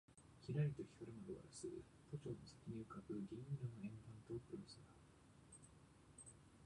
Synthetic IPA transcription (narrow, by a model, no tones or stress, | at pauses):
çʲiɾaɾʲit̪oçʲi̥kaɾɯmad̪oβa̰ɾasɨ | t̪o̞t͡ɕoːnosḁkʲiɲ̟iɯ̟kabɯ̟ɡʲĩɲɾɯnoẽ̞mbãnt̪oːpɯ̟ɾosɨna